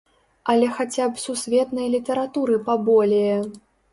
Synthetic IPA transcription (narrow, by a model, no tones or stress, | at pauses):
ɐlʲɛxat͡sʲapsusʲvʲɛt̪nɐjlʲit̪ɐɾat̪uɾɨpabɔlʲejɛ